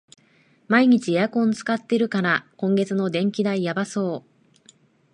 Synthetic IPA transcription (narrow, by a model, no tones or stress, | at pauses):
maiɲ̟it͡ɕiejakõ̞nt͡sɨ̥kat̪ːe̞ɾɯ̟kaɾakõ̞ŋɡe̞t͡sɨno̞d̪ẽ̞ŋkʲid̪aijabaso̞ː